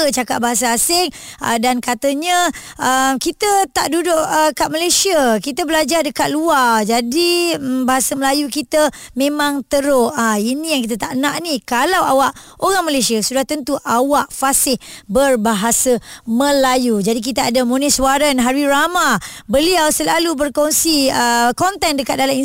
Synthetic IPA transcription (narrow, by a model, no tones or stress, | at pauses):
t͡ʃaka̰tʔ̚baɦasaːsɪŋə̰dankat̪əɲəəmkit̪ət̪aʔdudʊʔəkaʔmalejsiəkit̪əbəlad͡ʒardəkat̪̚luad͡ʒadibaɦasəməlajukit̪ə | mẽmãŋt̪əɾoainĩjaŋkit̪̬at̪aʔnãʔnikalawa̰waʔoɾaŋmalesiasudaht̪ənt̪uʔawaʔfasɪhbərbaɦasaməlajud͡ʒadik̬it̪aadamoniswaɾənɦaɾwiɾamabəliawsəlalubərkonsiəkɔnt̪ɛndəkat̪̚dalami